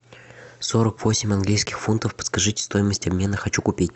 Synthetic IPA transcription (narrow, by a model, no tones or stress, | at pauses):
so̞ɾəkvo̞sʲɪmʲɐnɡlʲijskʲɪ̥xfunt̪əfpə̥t̪skɐʐɨtʲst̪o̞jɪməsʲtʲɐbmʲe̞nəxɐt͡ɕukʊpʲitʲ